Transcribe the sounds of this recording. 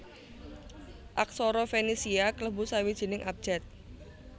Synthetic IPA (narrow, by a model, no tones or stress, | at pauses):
ʔak̚sɔɾɔfenisiakləbʊsawid̥ʒ̥i̤nɪŋʔap̚d̥ʒ̥ɛt̪̚